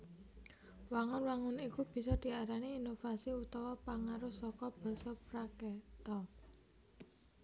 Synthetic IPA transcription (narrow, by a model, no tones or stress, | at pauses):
waŋʊnwaŋʊnikub̥i̤sɔd̪̥i̤aɾaniːnofasiut̪ɔwɔpaŋaɾʊsɔkɔb̥ɔ̤sɔpɾakɛt̪ɔ